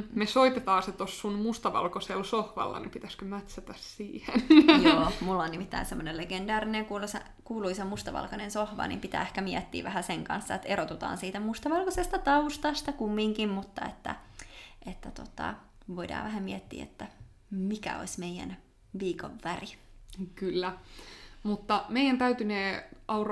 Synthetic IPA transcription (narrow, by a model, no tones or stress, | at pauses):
mesoit̪et̪ɑːset̪osːunmust̪ɑʋɑ̰lkoselsohʋɑ̰lːɑ̰nipit̪æskømæt̪sæt̪æssiːhenjoːmulːonnimit̪ːæinsemːoneleɡendɑːrineŋkuːlosḛ | kuːluisomust̪ɑʋɑ̰lkɑnensohʋɑ̰nḭːmpit̪æ̰ːehkæmiɛt̪ːḭːʋæhæseŋkɑ̰nsːɑet̪eɾot̪ut̪ɑ̰ːnsiːt̪æmust̪ɑʋɑlkosest̪ɑt̪ɑust̪ɑst̪ɑkumːiŋkimmut̪ːɑet̪ːæ̰ | et̪ːæt̪ot̪ɑ̰ | ʋoidɑ̰ːʋæɦæmiɛt̪ːḭːḛt̪ːæ | mikæ̰o̰ismeiæ̰n | ʋiːko̰ʋːærikylːæ | mut̪ːɑmeijænt̪æyt̪yneːʔɑur